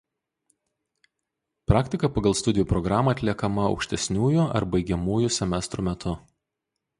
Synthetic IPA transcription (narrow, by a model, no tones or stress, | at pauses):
pɾɑːkt̪ʲɪkɐpɐɡɐlˠst̪ʊd̪ʲɪjuːpɾɔɡɾɑːmɐːɐt̪ʲlʲiɛkɐmɐɒ̰ʊkʃʲt̪ʲɛsʲnʲuːjʊɐ̰ɾbɐɪɡʲɛmuːjʊsʲɛmʲɛst̪ɾuːmʲɛt̪ʰʊ